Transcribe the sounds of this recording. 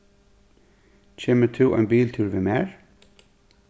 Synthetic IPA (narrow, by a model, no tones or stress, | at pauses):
cʰeːmət̪ʰuːʔa̰jnbiːlt̪ʰuːɹʋɪmeːɹ